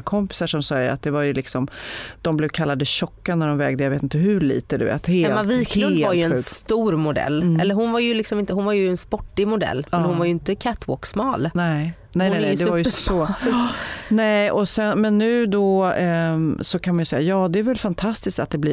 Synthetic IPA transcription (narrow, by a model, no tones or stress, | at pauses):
kʰɔmpɪ̥saʂɔmsɑːjəɾa̰t̪̚d̪ɛvaɾjɵlɪksɔmd̪̥ɔmblɛvkʰalːad̪əɕɔkːanæɖɔmvɛːɡd̪əjaveːt̪ɪnt̪əɦɵɭḭːt̪əd̪ɵ̰vḛːt̪heːlɛviːk̪ʰːvalɾjɵɛɧʉːst̪uːɾmʊd̪ɛ̰lːɛlːəɾɦʊnvaɾjɵlɪksɔmɪnt̪əhʊnvaɾjɵɛnspɔʈːɪmʊd̪ɛ̰lːmɛnhʊnvaɾjɵɪnt̪əkʰæt̪ʰwo̰ːksmɑːlnɛ | nɛnɛnɛd̪ɛvaɾjɔ | nɛɔsɛnmɛnːʉ̟ːd̪ɔ | sɔkʰanmanjʏsɛjːajɑːd̪ɛæɾvɛlfant̪ʰast̪ɪskt̪at̪̚d̪ɛblɪ